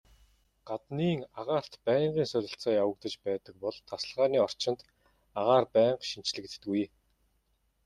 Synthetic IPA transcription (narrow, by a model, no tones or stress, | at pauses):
ɢ̥at̪niːŋaʁaːr̥t̪pæːɴɢiːŋsʊɾʲɪ̆ɬt͡saːjawə̆kt̪ə̆t͡ɕpæːt̪ə̆k̚pɔɮt̪ʰasə̆ɮʁaːniːɔr̥t͡ɕɪ̆nt̪ | aʁaːrpæːɴqʃin̥t͡ɕɮɘ̆kt̪ːɡuj